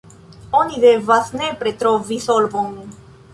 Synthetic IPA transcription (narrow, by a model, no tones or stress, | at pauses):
oniðevaθnepɾet̪ɾovisolvomi